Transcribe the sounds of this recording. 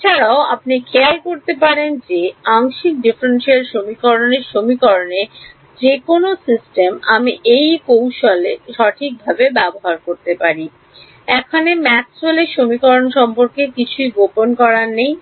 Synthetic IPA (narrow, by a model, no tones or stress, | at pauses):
et͡ɕʰaɾaoa̰pnikʰealkoɾt̪epaɾend͡ʑeaŋʃik̚ɖifɾenʃeɾʃomikɔɾoneɾʃomikɔɾone | d͡ʑekonosisʈemamiʔejkowʃoleʃɔʈʰik̚bʱabebɛboɦaɾkoɾt̪epaɾi | ɛkʰanemɛksaleʃomikɔɾonʃɔmpoɾkekit͡ɕʰuiɡoponkɔɾanej